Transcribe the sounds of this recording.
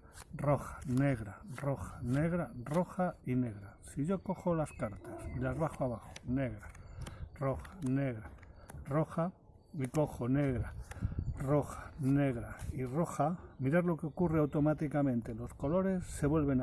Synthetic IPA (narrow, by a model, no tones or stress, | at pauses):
ro̞xḁne̞ɣ̞ɾaro̞xḁne̞ɣ̞ɾaro̞xaine̞ɣɾasiʝo̞ko̞xo̞laskaɾt̪asilazβaxoaβaxo̥ne̞ɣɾasro̞xḁne̞ɣɾaro̞xa | miko̞xo̞ne̞ɣɾa | ro̞xḁne̞ɣ̞ɾairo̞xamiɾaɾlo̞keo̞kure̞awt̪o̞mat̪ikamẽ̞nt̪e̞lo̞sko̞lo̞ɾe̞sːe̞βwe̞lβe̞n